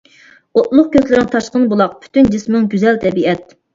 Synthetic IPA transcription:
ot̪lˠʊq̚kʲʰøzlɪɾɪŋt̪ʰɑʃqənɨbolˠɑq̚pʰy̥t̪ynd͡ʒɨsmɨŋɡʲyzɛlt̪ʰɛbiɛt̪̚

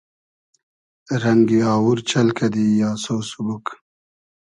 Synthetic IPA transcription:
ɾɐŋɡiɑːwuɾt͡ɕɐlkɐd̪ijɑːsowsubuk

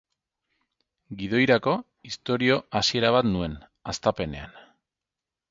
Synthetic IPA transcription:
ɡið̞o̞jɾako̞ | ist̪o̞ɾio̞asie̞ɾaβ̞at̪nue̞n | ast̪ape̞ne̞̰a̰n

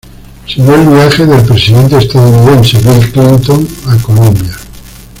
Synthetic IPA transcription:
seɣoelβiaxeðelpɾesiðe̞nt̪eːst̪aðouniðẽ̞nseβilklint̪oŋakolõmbja

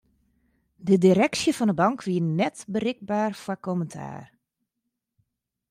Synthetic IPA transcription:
dədiɾɛksjəfɔndəbɑŋkʰʋiənɛtbərɪk̚baːrfwakoməntʰa̰ːr

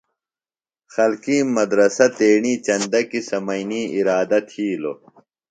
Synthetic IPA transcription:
xɐlkĩːmɐd̪ɾɐsɐt̪eːɳiːt͡ɕɐnd̪ɐkisɐmɐjniːiɾaːd̪ɐt̪ʰiːlo̰

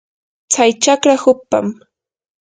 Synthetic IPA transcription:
t͡sajt͡ʃakɾahʊpːa̰m

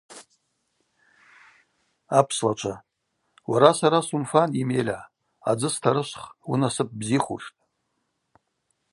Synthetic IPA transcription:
apʰslat͡ʃʷʰa | waɾasaɾasumfanimelʲa | a̰d͡zɨstʰaɾɨʃʷχwunasɨp̚ʼbziχṵʂtʼ

